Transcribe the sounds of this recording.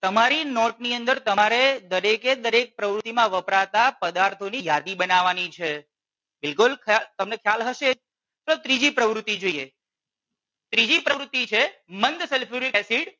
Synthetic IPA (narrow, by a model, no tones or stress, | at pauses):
t̪əmaɾinɔʈniənd̪əɾt̪əaɾed̪əɾeked̪əɾek̚pɾəʋɾʊt̪imãʋəpɾat̪apəd̪aɾt̪ʰonijad̪ibənaʋanit͡ʃʰe | bɪlkʊlkʰat̪əmnekʰjalɦəʃe | t̪ot̪ɾid͡ʒipɾəʋɾʊt̪ːid͡ʒoije | t̪ɾid͡ʒipɾəʋɾʊt̪ːit͡ʃʰemənd̪sɛlpʰuɾikɛsiɖ